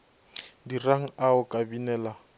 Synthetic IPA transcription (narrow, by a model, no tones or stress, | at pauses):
diraŋ̩aʊkʼabinɛːla